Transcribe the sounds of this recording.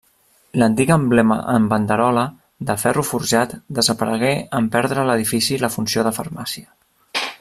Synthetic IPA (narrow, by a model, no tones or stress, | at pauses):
lənt̪iɣəmblɛmə̰ʔəmbənd̪əɾɔlə | d̪əfɛrufuɾʒat̪d̪əzəpəɾəɣ̞ɛəmpɛɾðɾələðifisiləfunsijoðəfə̰ɾmasiə